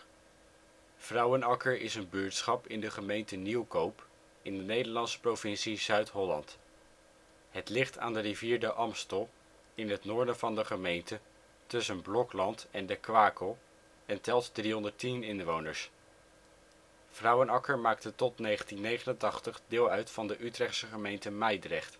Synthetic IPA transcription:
v̥rʌwənɑkəɹɪsənbyːɹtsχɑpɪndəχəmejntəniwkowp | ɪndənejdəɹlɑnsə̥provɪnsizœɥtɦɔlɑ̰nt | ɦətlɪχta̰ːndəriviːɹdəʔɑmstɔlˠ | ɪnɦətnʊːɹdəv̥ɑndəχəmejntə | tɵsənblɔklɑntɛndəkʋaːkəlˠ | ɛntɛlˠtdriɦɔndəɹtinɪnʋownəɹs | v̥rʌwənɑkəɹmaːk̚tətɔtnejχəntinːejχənəntɑχtəχdɪːlˠœɥtfɑndəʔytrɛχtsəχəmejntəmɛjdrɛχt

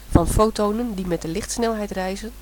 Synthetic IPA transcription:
fɑnfowtownəndimɛt̚dəlɪxtsnɛlˠɦɛjtrɛjzən

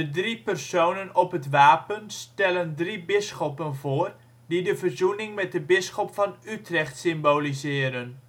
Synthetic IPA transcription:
ədripərsownənɔpɦətʋaːpənstɛləndribɪsχɔpənvʊːr | didəvərzunɪŋmɛt̚dəbɪsχɔpfɑnytrɛχtsɪmbowlizɪːɾən

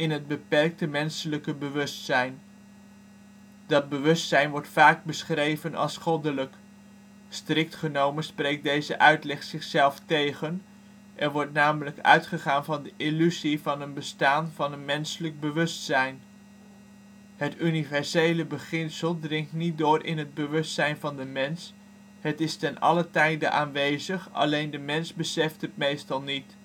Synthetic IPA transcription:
ɪnɦəd̚bəpɛrk̚təmɛnsələkəbəʋɵstsɛjn | dɑd̚bəʋɵstsɛjnʋɔɹtfaːɡ̚bəsχrejvənɑ̰lˠsχɔdələk | strɪk̚tχənowmənsprejk̚dejzəʔœɥtlɛχsɪχsɛlˠftejχən | ʔɛnʋɔɹtnaːmələkœ̰ɥtχəχaːnvɑndəʔilyzivɑnənbəstaːnvɑnənmɛnsələɡ̚bəʋɵstsɛjn | ɦətynivɛɹsejləbəχɪnsəlˠdrɪŋk̚tnit̚dʊːrʔɪ̰nɦəd̚bəʋɵstsɛjnvɑndəmɛns | ɦətɪstɛnɑ̰lətɛjdəʔaːnʋejzəχɑ̰lejndəmɛnzbəsɛftɦətmejstɑlˠnit

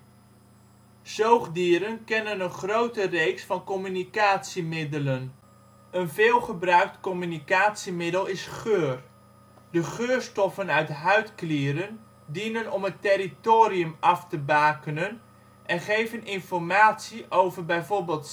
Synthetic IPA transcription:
z̥owχdiːɾənkɛnənənχrowtərejksfɑnkɔmynikaːtsimɪdələn | ənvɪːlˠχəbrœɥk̚tkɔmynikaːtsimɪdəlˠɪsχøːr | dəχøːrstɔfənœɥtɦœɥtklɪːɾən | dinənɔmətɪɾitoːɾiəmɑftəbaːkənən | ʔɛnχejvənɪnfɔrmaːtsiʔowvərbɛjvoːɹbɪːlˠt

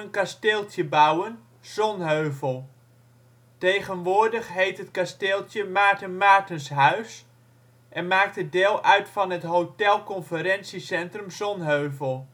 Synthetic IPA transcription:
ənkasteːlˠtjəbawən | z̥ɔnɦøɥvəlˠ | tejχənʋʊːɹdəχɦejtɦətkasteːlˠtjəmaːɹtənmaːɹtənsɦœɥs | ʔɛnmaːk̚tədeːlˠœɥtfɑnɦətɦowtɛlˠkɔnfəɾɛnsisɛntrɵmzɔnɦøɥvəlˠ

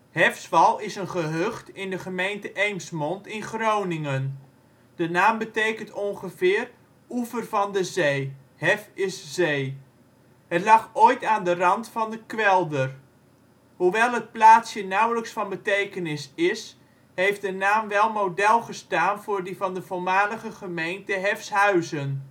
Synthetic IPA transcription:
hɛfsʋɑlˠɪsənχəɦøχtɪndəχəmejntəʔejmsmɔntɪnχrownɪŋən | d̥ənaːmbətejkəntɔŋχəvɪːr | uvərvɑndəzej | hɛfɪszej | ɦətlɑχoːjtaːndərɑntfɑndəkʋɛlˠdər | ɦuʋɛlˠɦət̚plaːtsjənawləksfɑnbətejkənɪsɪs | ɦejft̚dənaːmʋɛlˠmowdɛlˠχəstaːnv̥ʊːrdivɑndəvolˠmaːləχəχəmejntəɦɛfsɦœɥzən

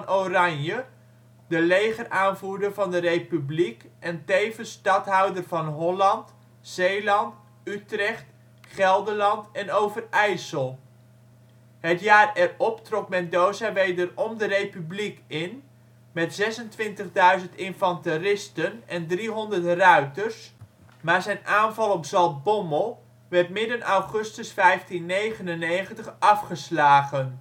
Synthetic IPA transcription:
norɑɲjə | dəlejχəraːnvuːɹdəɹvɑndərejpyblikɛntejvənstɑtɦʌwdərvɑnɦɔlɑnt | z̥ejlɑnt | ytrɛχt | χɛlˠdəlɑntɛnowvərɛjsəlˠ | ɦətjaːrɛrɔptrɔk̚mɛndowzaʋejdərɔmdərejpyblikɪn | mɛtz̥ɛsəntʋɪntəχdœɥzəntɪnfɑntərɪstənɛndriɦɔndərtrœɥtəɹs | maːɹzɛjnʔaːnvɑlˠɔpzɑlˠt̚bɔməlˠ | ʋɛɹtmɪdənɑwχɵstəsfɛjftinːejχənənejχəntəχɑfχəslaːχən

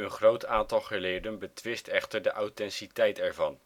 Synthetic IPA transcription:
ənχrowtaːntɑlˠχəlɪːdənbətʋɪstɛχtəɹdəʔawtɛnsitɛjtɛɹvɑn

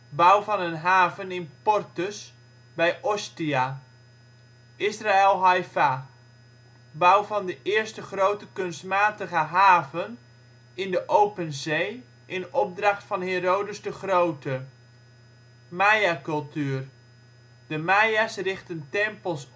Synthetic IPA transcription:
bawvɑnənɦaːvənɪnpɔrtəs | bɛjʔɔstia | ʔɪsraɛlˠɦajfa | bawvɑndəʔɪərstəχrowtəkɵnstmaːtəɣəɦaːvən | ɪndəʔowpənzej | ʔɪnɔb̚drɑχtfɑnheːroːdəsdəχrowtʰə | majakɵlˠtyər | dəmajasrɪχtəntɛmpəlˠs

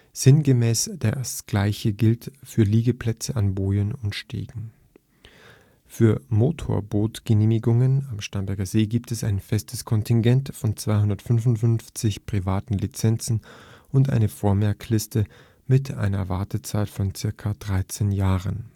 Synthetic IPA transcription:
z̥ɪnɡəmɛːsd̥eːɐsɡ̥laɪçəɡɪltfyːɐliːɡəpl̥ɛt͡səʔanboːənʊntʃtḛːɡŋ̩ | fyːɐmoːtʰo̰ːɐboːtɡ̥əneːmɪɡʊŋənamʃtanbɛɐɡɐzeːɡiːptɛsa̰ɪnfɛstʰəskʰɔntʰɪŋɡɛntfɔnt͡sv̥aɪɦʊndɐtfʏnvʊntfʏnft͡sɪçpʁ̥ivaːtn̩lit͡sɛnt͡sn̩ʔʊntʔa̰ɪnəfoːɐmɛɐkʰlɪstʰə | mɪtʰʔa̰ɪnɐ̰vaɐtət͡saɪtfɔnt͡sɪɐkʰad̥ʁaɪt͡seːnjaːʁən

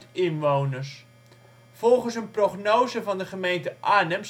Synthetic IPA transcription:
tɪnʋownərs | fɔlˠχənsənproχnoːzəvɑndəχəmejntəʔaːnəms

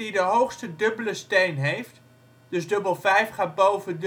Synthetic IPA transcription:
idəɦowxstədɵbələstejnɦejft | d̥ɵsdøbəlˠvɛjfχaːt̚bowvəd

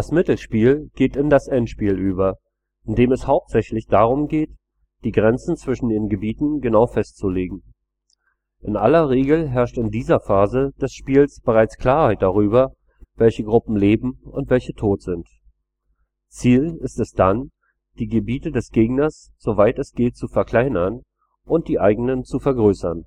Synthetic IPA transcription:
d̥asmɪtl̩ʃpiːlɡ̥eːtɪndasʔɛntʃpiːlʔyːbɐ | ʔɪndeːmɛshaʊp̚tz̥ɛçlɪçd̥aʁ̞ʊmɡeːt | d̥iːɡʁɛnt͡sn̩t͡sv̥ɪʃn̩deːnɡəbiːtn̩ɡənaʊfɛstt͡suleːɡŋ̩ | ʔɪnʔalɐʁeːɡl̩ɦɛɐʃtɪndiːzɐfaːzəd̥ɛsʃpiːlsb̥əʁaɪt͡skl̥aːɐhaɪt̚d̥aʁ̞yːbɐ | vɛlçəɡʁʊpm̩leːbm̩ʊntv̥ɛlçətʰoːtz̥ɪnt | t͡siːlɪstɛsd̥an | d̥iːɡəbiːtədɛsɡ̥eːɡnɐs | z̥ovaɪtɛsɡ̥eːtt͡sufɛɐkʰl̥aɪnɐn | ʔʊnt̚d̥iːʔaɪɡəŋnənt͡sufɛɐɡʁøːsɐn

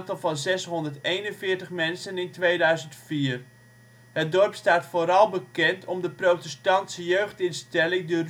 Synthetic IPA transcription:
ntɑlˠvɑnzɛsɦɔndəɹtejnənvɪːɹtəχmɛnsənɪntʋejdœɥzəntfiːr | ɦət̚dɔrpstaːtfoːɾɑlˠbəkɛntʰɔmdəprowtɛstɑntsəjøɥχtɪnstɛlɪŋdə

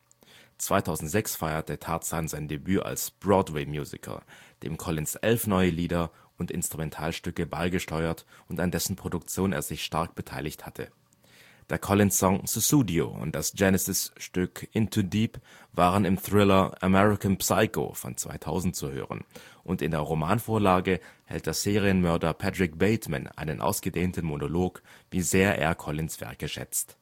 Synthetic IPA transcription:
t͡sv̥aɪtʰaʊzn̩tz̥ɛksfaɪɐt̚dətʰaɐtsanzaɪndebyːʔa̰lsb̥ʁɔːdwɛɪmjuːzɪ̰kʰə̰d̥ḛːmkʰɔlɪnsʔɛlfnɔʏəliːdɐ | ʊntɪ̰nstʁ̥umɛntʰaːlʃtʏkəbaɪɡəʃtɔʏɐtʊntandɛsn̩pʁ̥odʊk̚t͡sjoːnḛːɐzɪçʃtaɐk̚b̥ətʰaɪlɪçthatʰə̰ | d̥eːɐkʰɔlɪnssɔŋsusuːdio̰ʊ̰nt̚d̥asd͡ʒɛnəsɪsʃtʏkʔɪntʰudiːp | vaːʁənɪmθʁ̥ɪlɐʔəmɛʁɪkanpsaɪko̰fɔ̰nt͡sv̥a̰ɪtʰa̰ʊzn̩tt͡suhø̰ːʁə̰nʔʊntɪndeːɐʁomaːnfoːɐlaːɡəhɛ̰lt̚d̥eːɐz̥eːʁiənmœɐdɐpʰatʁ̥ɪk̚b̥eɪtma̰na̰ɪnənʔa̰ʊsɡ̥ədeːntn̩monoloːkviːzeːɐʔḛːɐkʰɔlɪnsv̥ɛ̰ɐkəʃɛ̰t͡st

